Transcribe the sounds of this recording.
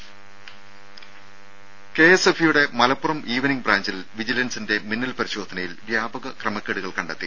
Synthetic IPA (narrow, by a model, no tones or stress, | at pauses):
keesefijuɽe̞mɐlɐpːurɐmʔiːʋɐniŋbraːɲd͡ʑil | ʋid͡ʑilɐnsinde̞minːɐlpɐɾiɕo̞ːd̪ʰʱɐnɐjilʋjaːbɐɣɐkrɐmɐkːeɽuɣɐɭkɐɳɖɐt̪ːi